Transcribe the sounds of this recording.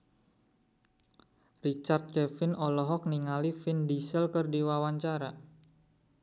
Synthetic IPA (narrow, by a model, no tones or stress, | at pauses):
rit͡ʃart̪̚t͡ʃɛfɪnɔlɔɦɔk̚niŋalifɪndisəlkərdiwawaɲt͡ʃaɾa